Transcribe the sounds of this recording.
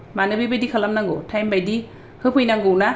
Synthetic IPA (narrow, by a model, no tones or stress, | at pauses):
manɯbibajdikʰalamnaŋɡɯtʰajmbajdi | hɯpʰɯjnaŋɡɯwna